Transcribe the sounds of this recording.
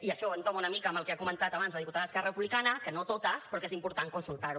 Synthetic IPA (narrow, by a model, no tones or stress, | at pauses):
iəʃɔənt̪omaunəmikəməlˠkeakumənt̪at̪aβanzləðiput̪aðəəskɛrərəpuβlikanəkənot̪ot̪əspɾɔkezimpuɾt̪aŋkunsulˠt̪aɾu